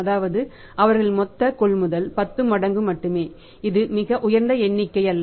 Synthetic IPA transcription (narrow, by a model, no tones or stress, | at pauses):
ɐðaːʋɐðɯ | ʔɐʋɐɾɣɐɭmɔt̪ːɐkɔɭmʊðɐlpɐt̪ːɯmɐɽɐŋɡɯmɐʈːɯmeː | ɪðɯmɪɣɐʔʊjɐɾnd̪ɐɛɳːɪkːɐɪɐlːɐ